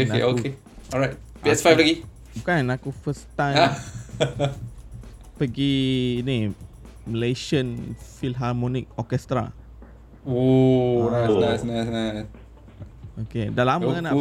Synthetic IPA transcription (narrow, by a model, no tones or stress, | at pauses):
onaeʔoke | ɔɹajt̚ | piɛsfajfpəɡi | bukãnnakufəstãja | pəɡini | mileʃə̃nfilɦamɔnik̚ɔkɛst̪ɾa̰ | onasnasnaɪsnas | okedalamana